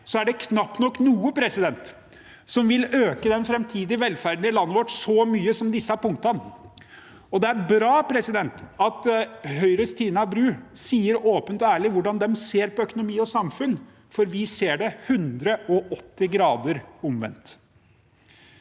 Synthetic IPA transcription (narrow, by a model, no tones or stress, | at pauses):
sɔæɖɛkʰnɑpːnɔkːnuːəpʰɾɛsɪd̪ɛnt̪ | sɔmʋɪløːkəd̪ɛnfɾɛmt̪ʰiːd̪ɪʋɛlːfæɾɖ̪n̩ɪlɑnːəʋɔʈsɔmyːəsɔmd̪ɪsːəæɾpʊŋkt̪ɑn | ɔd̪ɛæɾbɾɑːpʰɾɛsɪd̪ɛnt̪ɑt̪hœʏɾəst̪ʰiːnɑbɾʉːsiːəɾoːpənt̪ɔæːɭɪʋʊɖɑnd̪ɛmseːɾpɔœkʊnʊmiːɔsɑmfʉn | fɔɾʋɪseːɖɛhʉnd̪ɾəʔɔʔɔt̪ːɪɡɾɑːd̪əɾʊmʋɛ̰nt̪